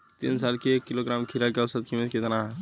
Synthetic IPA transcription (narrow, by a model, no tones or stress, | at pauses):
t̪ḭnsalkiekːiloɡɾamkʰiɾalkeɐʋsət̪̚kʰimet̪ket̪ənaɦ